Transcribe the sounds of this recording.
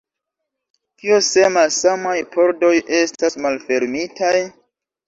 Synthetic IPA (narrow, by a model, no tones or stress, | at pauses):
kiosemasamajpʰo̞ɾdo̞jʔe̞stasmalfe̞ɾmitaj